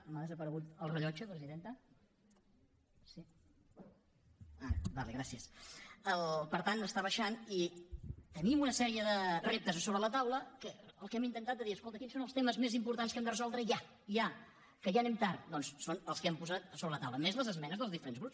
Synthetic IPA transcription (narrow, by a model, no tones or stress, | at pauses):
maðəzəpəɾəɣut̪əlˠrəʎɔt͡ʃəpɾəziðent̪ə | si | abalḛɣɾasiəsəlpəɾt̪anəst̪aβəʃanit̪ənimunəsɛɾiəðərep̚t̪əzsoβɾələt̪awləkəəlˠkɛmint̪ənt̪at̪əðiəskolˠt̪əkinsonəlˠt̪eməzmezimpuɾt̪anskɛmd̪ərəzɔlˠd̪ɾəja | ja | kəʒanɛmt̪aɾd̪ɔnssonəlˠskɛmpuzat̪soβɾələt̪awləmezləzəzmɛnəzðəlˠzðifəɾenzɣɾups